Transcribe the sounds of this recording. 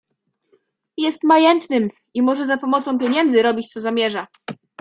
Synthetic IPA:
jɛst̪majɛnt̪nɘm | imɔʐɛzapɔmɔt̪sɔ̃w̃pʲjeɲɛnd̪zɘɾɔbʲit͡ɕt̪sɔzamʲjɛʐa

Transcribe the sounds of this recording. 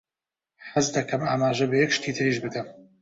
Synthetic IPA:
ħazd̪ɐkʰɐmaːmaːʒɐbɐjɛkʃt̪ʰiːt̪ʰɨɾiʒbɨd̪ɐm

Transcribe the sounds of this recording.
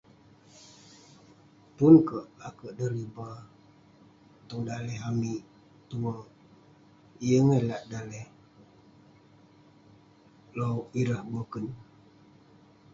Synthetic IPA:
punkəʔakəʔdəɾiba | t̪uŋdalɛɦamiʔ | t̪uwə | ijəŋəlaʔdalɛh | lowiɾəhbəkən

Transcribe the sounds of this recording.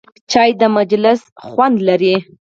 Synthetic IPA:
t͡ʃɑjd̪əmad͡ʒlɪsxwand̪laɾi

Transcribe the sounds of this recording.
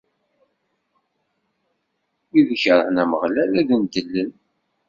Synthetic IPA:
iðəçəɾˤnæməʁlælæðənd̪əlːən

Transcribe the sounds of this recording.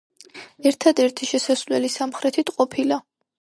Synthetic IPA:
ɛɾt̪ʰad̪ɛɾt̪ʰiʃɛsasvlɛlisamχɾɛt̪ʰit̪ʰqʼɔpʰila

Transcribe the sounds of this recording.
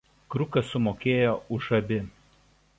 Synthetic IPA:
kɾʊkɐsːʊmoːkʲeːjoːʊʒɐbʲɪ

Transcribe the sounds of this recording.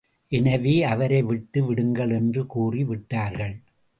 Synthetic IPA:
ʔɛnɐʋiːɐʋɐɾɐɪʋɪʈːɯʋɪɽɯŋɡɐɭɛndrɯkuːriʋɪʈːaːɾɣɐɭ

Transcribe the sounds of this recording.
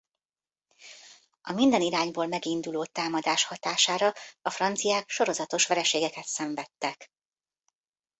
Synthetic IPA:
ʔɒmind̪ɛniɾaːɲboːlmɛɡind̪uloːt̪aːmɒd̪aːʃhɒt̪aːʃaːɾɒɒfrɒnt̪sijaːkʃo̞ɾo̞zɒt̪o̞ʃʋɛlɛʃeːɡɛkɛt̪sɛɱvɛt̪ːɛk

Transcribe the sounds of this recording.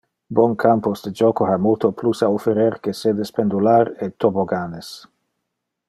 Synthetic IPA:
bɔŋkʰamposd̪ed͡ʒɔkohamolt̪oplusaofeɾeɾkesed̪espend̪ulaɾet̪ːoboɡanes

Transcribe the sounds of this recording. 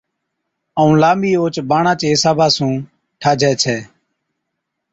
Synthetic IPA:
əũːlaːmiːoːt͡ʃbaːɳãːt͡ʃeːɪsaːbʱaːsũː | ʈʰaːd͡ʒʱɛːt͡ʃʰɛː

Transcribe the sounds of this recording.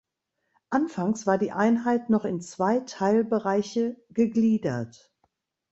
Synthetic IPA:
ʔanfaŋsv̥aːɐdiːʔaɪnɦaɪtnɔχɪnt͡sv̥aɪtʰaɪlbəʁaɪçəɡ̥əɡliːdɐt

